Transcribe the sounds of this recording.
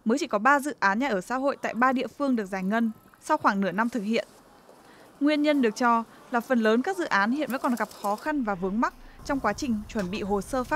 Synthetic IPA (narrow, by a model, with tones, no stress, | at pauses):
məː˨˦jt͡ɕi˧˩kɔ˨˦ɓaː˧zɨ̰˧˨ʔaː˨˦nɲa˧˩ʔəː˧˩sa̰ː˧˥ɦo̰˧˨jt̪a̰ː˧˨jɓaː˧ɗḭ˧˨əfɨ˧əŋɗɨ˨˩ək̚zaː˧˩jŋə˧˩n | sa˧wxwaː˧˩ŋnɨ˧˩əna˧mt̪ʰɨ˨˩k̚hḭ˧˨ən | ŋwi˧ənɲə˧nɗɨ˨˩ək̚t͡ɕɔ˧ | laː˨˩fə˨˩nləː˨˦nkaː˦˥k̚zɨ̰˧˨ʔaː˨˦nhḭ˧˨nvə̰˧˥kɔ˨˩ɣa˨˩p̚xɔ˨˦xa˧nvaː˨˩vɨ˨˦əŋma˦˥k̚t͡ɕɔ˧wŋ͡mkwaː˨˦t͡ɕï˨˩ŋ̟t͡ɕwə˧˩nɓḭ˧˨ɦo˨˩səː˧faː˦˥